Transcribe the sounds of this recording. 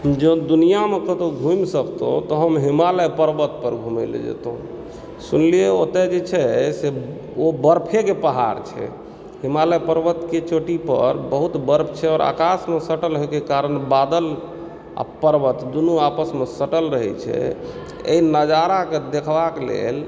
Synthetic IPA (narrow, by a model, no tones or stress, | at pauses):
ɦəmd͡ʒed̪unijamekət̪oɡʱumsəkt̪õ̰t̪ɔɦəmɦimaləpəɾbət̪pəɾɡʱumḛlḛd͡ʒḛt̪ɦṵ̃ | sunlieot̪ɛd͡ʒet͡ʃʰɛse | obəɾpʰekepəɦa̰ɾt͡ʃʰɛ̰ | ɦimaləjpəɾbət̪ket͡ʃoʈipə̰ɾbəɦut̪bəɾpʰt͡ʃʰɛɔːɾa̰kasmesəʈəlɦojkekaɾənbad̪əl | a̰pəɾbət̪d̪unuapəsmesəʈəlɾəɦɛ̰t͡ʃʰɛ̰ | ḛinəd͡ʒaɾaked̪ekʰbakelḛl